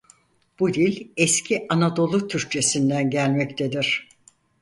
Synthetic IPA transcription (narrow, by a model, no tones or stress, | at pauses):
b̥ud̪ilʲɛscʰiʔanad̪o̞lˠut̪ʰyɾc̚t͡ʃʰe̞sind̪ænɟælʲmɛct̪ʰe̞d̪iɾ̝̥